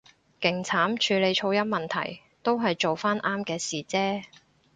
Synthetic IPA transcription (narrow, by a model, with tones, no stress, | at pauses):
kɪ˨˩ŋt͡sʰaː˨˥mt͡ʃʰyː˨˧le˨˧jt͡ʃʰo˧wjɐ˥mɐ˨˩nt̪ʰɐ̰˨˩j | t̪o˥wɦɐ˨jt͡ʃo˨wfaː˥nʔaː˥mkɛː˧siː˨t͡sɛː˥